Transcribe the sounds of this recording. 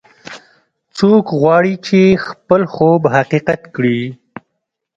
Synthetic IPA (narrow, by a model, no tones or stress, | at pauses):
t͡sokɣwɑɽit͡ʃexpəlxobhaqiqat̪kɽi